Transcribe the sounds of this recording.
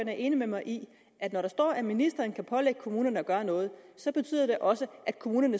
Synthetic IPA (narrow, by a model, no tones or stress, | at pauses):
ɐnæɐʔe̝ːnimemɑ̈ɪʔi | ʔæd̥nɒɾɑ̈sd̥ɒ̰ːæminisd̥ʁɐːnkʰæpʰɒ̽leɡ̥əkʰo̝muːnɐnəɒ̽ɡ̥ɶːɐnɔ̽ːð̞̩ˠsɒ̽b̥e̝t͡sʰy̰ð̰ˠɐd̥e̝ʔɒ̽səʔæd̥̚kʰo̝muːnɐnə